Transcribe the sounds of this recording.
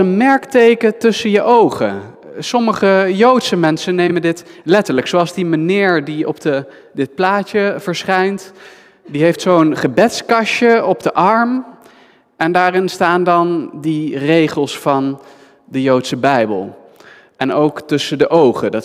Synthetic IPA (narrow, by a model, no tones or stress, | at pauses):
ənmɛɹktejkətɵsənjəʔowχə̰ | sɔməχəjowtsəmɛnsənːejməndɪtlɛtəɹləksoɑlˠzdimanɪːɹdiɔ̰p̚də | dɪt̚plaːt͡ʃəv̥əɹsχɛjnt | diɦejftsownχəbɛtskɑʃəɔb̚dəʔɑɹm | ɛndaːrɪnstaːndɑndirejχəlˠsfɑn | dəjowtsəbɛjbə̰lˠ | ʔɛnowktɵsədəʔowχədɑt